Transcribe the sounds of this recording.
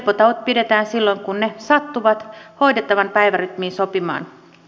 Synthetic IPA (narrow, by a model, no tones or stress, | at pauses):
pːot̪ɑʋot̪̚pide̞t̪æːnsilːo̞ŋkunnesɑt̪ːuʋɑt̪ho̞jdet̪ːɑʋɑnpæjʋæryt̪miːnsopimɑ̰ːn